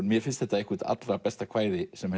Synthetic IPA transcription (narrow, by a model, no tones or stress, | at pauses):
nmjɛɾ̥fɪnst̪θɛht̪ːaehkut̪a̰t̪lɾapɛst̪akʰv̥aːjðɪsɛm